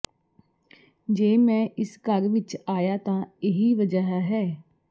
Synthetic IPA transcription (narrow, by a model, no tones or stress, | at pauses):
d͡ʒeːmɛ̃ːʔɪskəɾʋɪt͡ʃaːjaːt̪ãːɪɦiːʋəd͡ʒaɦaːɦɛː